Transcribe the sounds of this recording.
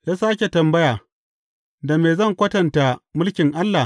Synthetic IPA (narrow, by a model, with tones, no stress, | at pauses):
jaː˦saː˦kʲe˨tɐ˨mbɐ˦jaː˨ | da˨meː˨zɐ˦˨ŋkʷɐ˦tɐ˨nta˨mʊ˦lkʲɪ˨ŋʔa˦lːa˨